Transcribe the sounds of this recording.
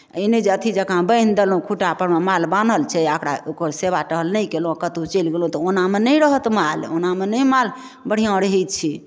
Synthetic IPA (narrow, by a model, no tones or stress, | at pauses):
əined͡ʒət̪ʰid͡ʒəkãbəjnd̪əlũkʰuʈapənmemalbanəlt͡ʃʰɛakɾaokəɾseβaʈəɦəlnəjkelũakət̪ut͡ʃelɡelɦũt̪ɔonamenəjɾəɦət̪malo̰namenəjmal | bəɽ̤ijãoɽeɦɛjt̪̚t͡ʃʰi